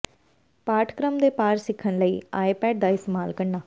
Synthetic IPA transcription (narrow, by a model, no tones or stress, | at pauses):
paːɾʈʰkɾəmd̪epaːɾsɪkʰːənləiːaːjpɛːɖd̪aɪst̪emaːlkɐɽnaː